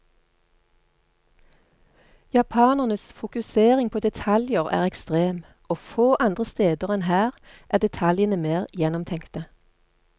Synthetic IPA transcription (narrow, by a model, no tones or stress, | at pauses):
jɑpʰɑːnəʁnəsfʊkʉseːʁɪŋpʰoːd̪ɛt̪ʰɑljəʁæ̰ːʁɛkst̪ʁeːm | ʔoːfoːʔɑnd̪ʁəst̪eːd̪əʁɛnhæːʁ | ʔæːd̪ɛt̪ʰɑljənəmeːʁjɛnɔmt̪ʰɛŋkt̪ə